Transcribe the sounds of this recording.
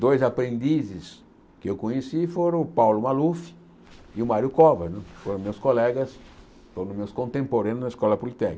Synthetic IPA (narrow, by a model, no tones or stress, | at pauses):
d̪ojzapɾẽnd̪izɪs | kɪewkõɲesifoɾɐ̃ʊpawlʊmalufɪ̥ | ɪʊmaɾjʊkɔvɐnɛ̃foɾõmewskolɛɡɐs | foɾ̃ʊmewskõnt̪ẽmpoɾɐ̃nʊnɐiskɔlɐpolit̪ɛkkɐ